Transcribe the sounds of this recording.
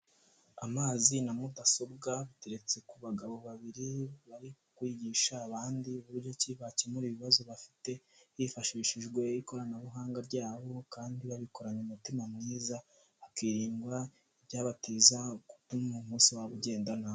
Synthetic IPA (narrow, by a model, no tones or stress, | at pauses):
amaːzinamudaso̞bɡaβiteɾe̞t͡se̞kuβaɡaβo̞βaβiɾiβaɾi | kwiːɟiːʃaːβaːndiuβuɾɟo̞ciβacemuɾiβiβazo̞βafi̥te̞hifaʃiːʃiʒɡwe̞iko̞ɾanaβuɦaːŋɡaɾɟaːβo̞kaːndiβaβiko̞ɾaɲumutimamŋiːza | βakiːɾiːŋɡwa | ibjaːβatiːzakutumumuːsiwaβuɟe̞ːndanao